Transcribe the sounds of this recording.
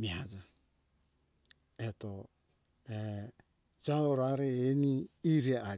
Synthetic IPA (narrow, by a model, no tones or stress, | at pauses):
miad͡ʒa | et̪o | e | d͡ʒaoɾaɾeeniːɾea